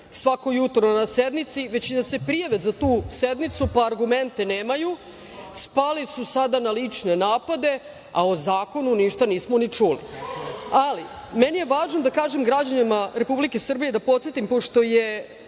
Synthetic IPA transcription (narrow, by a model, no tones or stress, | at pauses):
sʋako̞jut̪onnased̪nit̪siʋet͡ɕid̪ase̞pɾijaʋe̞zat̪uːsed̪nit̪supaːɾɡument̪e̞neːmaju | spalisusad̪analit͡ʂne̞naːpad̪e̞ | aozaːko̞nuniʃt̪aniːsmonit͡ʂulḭ | alimenije̞ʋaːʒnod̪akaːʒemɡɾad͡ʑanimaɾe̞publike̞sr̩bije̞d̪apo̞t̪set̪impo̞ʂt̪o̞je